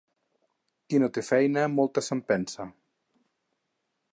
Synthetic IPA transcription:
kinot̪efɛjnəmolˠt̪əsəmpɛnsɐ

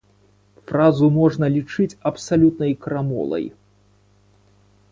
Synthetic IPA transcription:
fɾazumɔʐnɐlʲit͡ʂɨt͡sʲɐpsalʲut̪nɐjkɾamɔ̰lˠɐ̰j

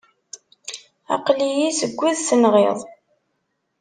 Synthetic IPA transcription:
ɑ̰qlijisəɡʷːiðsənʁḛðˤ

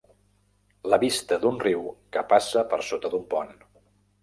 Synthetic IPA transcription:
ləβist̪əd̪unriwkəpasəpəɾsot̪əd̪umpɔn

